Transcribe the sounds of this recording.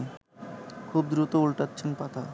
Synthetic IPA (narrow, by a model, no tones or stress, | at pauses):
kʰub̚d̪ɾut̪oulʈatːɕʰenpat̪ʰa